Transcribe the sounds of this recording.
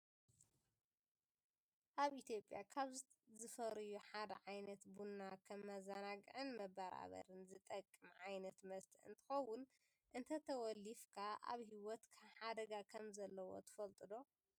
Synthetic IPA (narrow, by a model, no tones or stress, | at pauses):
ʔaβʔit̪ʰjo̞pʼjakʰaβz | zɨfɐɾɨjuħad̪ɐ̰ʕajnɐt̪bunːakʰɐmːɐzɐnaɡɨʕɨnmɐbɐɾa̰βɐ̰ɾɨnzɨt̪ʼɐkʼːɨmʕajnɐt̪mɐst̪ʰɨ̰nt̪ʰɨ̥xɐwʊn | ʔɨnt̪ʰɐt̪ʰɐwɔlifkʰaʔa̰βɦiwɔt̪kʰħad̪ɐɡakʰɐmzɐlːɐwo̞̰t̪ʰɨ̥fɐlt̪ʼɨd̪o̞